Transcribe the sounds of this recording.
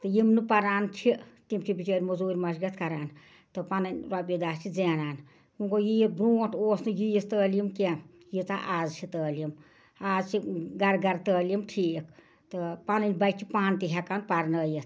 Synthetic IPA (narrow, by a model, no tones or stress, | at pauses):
t̪ɨjimnɨpɐɾaːnt͡ʃʰit̪imt͡ʃʰibit͡ʃəːɾʲmuzuːɾʲmɐʃɡɐt̪ʰkɐɾaːn | t̪ɨpanɐnʲɾabid̪aːst͡ʃʰid͡zeːnaːn | kũːŋkojij̚bɾuːʈʰoːsnɨjijist̪əːlimke | jit͡saʔaːzt͡ʃʰit̪əːlim | aːzt͡ʃʰiɡɐɾɡɐɾt̪əːljimʈʰikʰ | t̪ɨpanɨnʲbɐt͡ʃʰipaːnt̪iɦʲɛkaːnpaɾnəːjit̪ʰ